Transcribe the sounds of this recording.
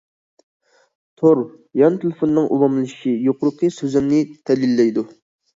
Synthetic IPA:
t̪ʰoɾ | jɑnt̪ʰelɪfonːɨŋʔṵlˠɑmlˠʃijoqʰʊɾəqʰəsøzɪmnɪt̪ʰɛlilːɛjd̪u

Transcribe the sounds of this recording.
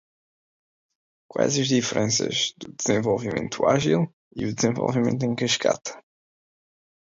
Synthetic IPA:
kwajzɐʒðifəɾʔẽnsɐ̰ʒd̪ud̪ɨz̥ẽvolˠvimẽnt̪ʰuaʒilˠ | iud̪zẽvo̰lˠvimẽnt̪̬uẽŋkɨʃkʰa̰t̪ɐ̥

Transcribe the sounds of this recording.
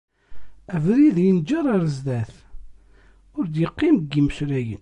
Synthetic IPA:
ævɾiðjənd͡ʒəɾˤaɾəzðæθ | ʊɾd̪jəqːimɡːiməʃɾæjə̰n

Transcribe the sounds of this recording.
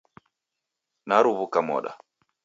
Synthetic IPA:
naɾuβukamɔ̰ɗa̰

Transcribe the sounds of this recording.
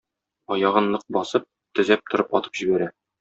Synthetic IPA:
ɒjɑʁɤnːˠɤq̚bɒsɤp̚ | t̪ɵ̆zæp̚t̪ŏɾɤpɒt̪ɤ̥pʑibæɾæ

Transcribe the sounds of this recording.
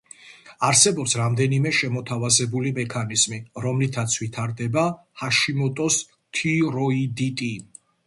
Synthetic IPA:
aɾsɛbɔpsɾamd̪ɛnimɛʃɛmɔt̪ʰavazɛbulimɛkʰanizmiɾɔmlit̪ʰat̪sʰvit̪ʰaɾd̪ɛba | haʃimɔt̪ʼɔs | t̪ʰiɾɔid̪it̪ʼi

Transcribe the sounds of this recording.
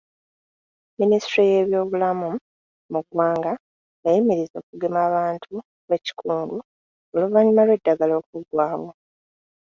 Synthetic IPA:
ministɾije̞ːβjo̞ːβulamu | muɡwaːŋɡa | jajimiɾizo̞ːkuɡe̞maːβaːntʰu | βeci̥kʰuːndu | oluβaɲumalwe̞dːaɡalo̞ːk̚uɡwaːwo̞

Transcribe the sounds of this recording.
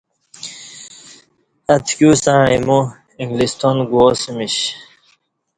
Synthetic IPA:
ɐt̪ʰkusãɻimu | iŋɡlist̪onɡuosimiɕ

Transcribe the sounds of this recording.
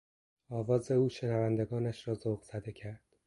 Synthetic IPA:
ɒːvɒːze̞uːʃe̞nævænd̪eɡɒːnæʃɾɒːzoɣz̥æd̪e̞cʰæɾd̪̥

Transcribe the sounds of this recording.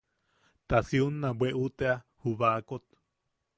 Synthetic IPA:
t̪asiunːabweʔut̪ea | huβakot̪

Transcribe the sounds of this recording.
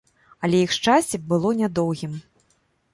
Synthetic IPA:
ɐlʲɛjixʂt͡ʂasʲt͡sʲɛbɨlˠɔnʲad̪ɔwɣʲim

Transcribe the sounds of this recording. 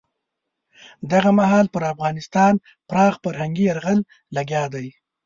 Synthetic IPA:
d̪aɣamaɦɑlpəɾafɣɑnɪst̪ɑn | pɾɑːɣfaɾhaŋɡiaɾɣal | laɡjɑd̪aj

